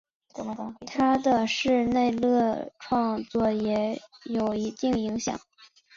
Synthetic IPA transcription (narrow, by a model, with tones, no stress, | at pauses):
t̪ʰa˥d̪ə˨ʂɻ̩˥˧ne˥˧ɪlɤ˥˧ʈ͡ʂʰwɑ˥˧ŋt͡swɔ˥˩jɛ˧˥jo˨˩ʊi˧˥t̪i˥˩ŋi˧˥ŋɕjɑ̰˨˩˦ŋ